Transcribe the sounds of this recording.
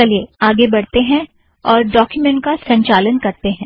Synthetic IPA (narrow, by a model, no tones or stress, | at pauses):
ɐlieaːɡebɐɽt̪eɦɛ̃ | ɔːɾɖɔːkjʊmɛ̃ɳʈ̚kasɐ̃ɲt͡ʃaːlənkɐɾt̪eɦɛ̃ː